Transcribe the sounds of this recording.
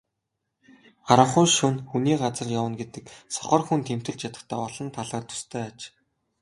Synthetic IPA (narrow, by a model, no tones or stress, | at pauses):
aɾə̆χʊːʃʊnxuniːɢat͡sə̆rjawə̆nɡet̪ɘ̆ksɔ̥χɞ̆rxunt̪ʰem̥t̪ɘ̆ɮt͡ɕjat̪ə̆xt̪ʰœːɔɮɞ̆nt̪ʰaɮaːt̪ʰʊ̥st̪ʰœːat͡ɕ